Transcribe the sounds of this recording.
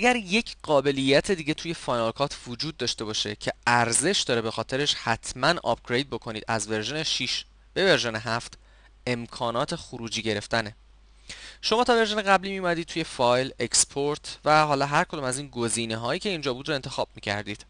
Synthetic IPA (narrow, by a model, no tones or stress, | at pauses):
ʔæɟæɾje̞cʰɢɒːbe̞lijːæt̪ʰed̪iːɟe̞t̪ʰuːje̞fɒːjnɒlkʰɒːt̪ʰvod͡ʒuːd̪̚ːɒːʃt̪e̞bɒːʃe̞̰cʰe̞æɾze̞ʃd̪ɒːɾe̞be̞xɒːt̪ʰe̞ɾe̞ʃhæt̪ʰmænɒ̰p̚ɡ̥ɾe̞jd̪̚bo̞kʰo̞niːd̪æzve̞ɾʒo̞neʃiʃ | b̥e̞ve̞ɾʒeneɦæft̪ | e̞mkʰɒːnɒːt̪ʰe̞xuɾuːd͡ʒiːɟe̞ɾe̞ft̪æne | ʃo̞mɒːt̪ʰɒːve̞ɾʒeneɣæblimijumæd̪iːd̪̚t̪ʰuje̞fɒːjle̞kspʰoɾt̪ʰvæɦɒːlɒːɦæɾkʰo̞d̪umæziːnɡoziːneɦɒːjiːcʰe̞iːnd͡ʒɒːbuːd̪ɾoent̪ʰe̞xɒːb̥̚miːcʰæ̰ɾd̪iːd̪̥